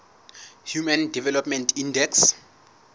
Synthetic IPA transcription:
hjumandɛvɛlɔpmɛntʰindɛks

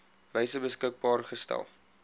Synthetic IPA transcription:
vɛjsəbəskək̚bɑːrχəstæ̰lˠ

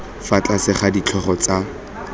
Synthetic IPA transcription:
fat͡ɬʼasɪχadit͡ɬʰɔχɔt͡sa

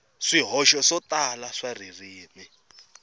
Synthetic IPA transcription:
ʂiɦɔʃɔʂɔtalaʂaririːmi

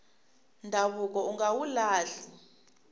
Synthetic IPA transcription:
ndʱaβuk̬ɔuŋawulaːɮi

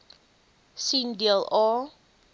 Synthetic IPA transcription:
sindiəlˠɑː

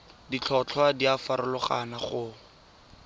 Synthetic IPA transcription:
dit͡ɬʰɔt͡ɬʰwadiafaɾʊlʊχa̰naχʊ

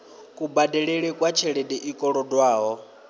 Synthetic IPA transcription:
kʼubadɛɺɛɺɛkʼwat͡ʃʰɛɺɛdɛʔikʼɔɺɔdwaːɦɔ

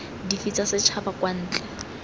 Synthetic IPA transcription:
difit͡sasɪt͡ʃʰabakʼwan̩ːt͡ɬʼɛ

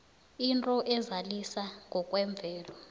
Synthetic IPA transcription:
intʼɔʔɛzalisaŋʱɔkʼwɛɱb̪vʱɛːlɔ

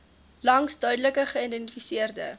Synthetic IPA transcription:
lɐŋsdœɥdələkəχəidɛntifisiərdə̰

